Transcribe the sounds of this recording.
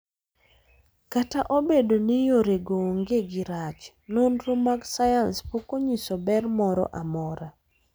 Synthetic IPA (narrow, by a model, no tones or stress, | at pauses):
kataʔobedonijoɾeɡoŋɡeɡɪɾat͡ʃ | nonɾomaɡsajanspokoɲisobɛrmɔɾɔ̰ʔamɔɾa